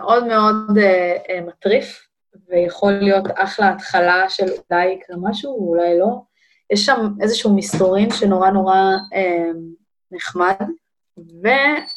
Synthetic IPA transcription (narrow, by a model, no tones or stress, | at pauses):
meʔo̞dme̞o̞dematʁif | vejaχo̞lijo̞taχleatχalaʃe̞ludajklamaʃuulajlo̞ | jɛʃːamezeʃuumisoʁimʃeno̞ʁano̞ʁae | neχmad | ve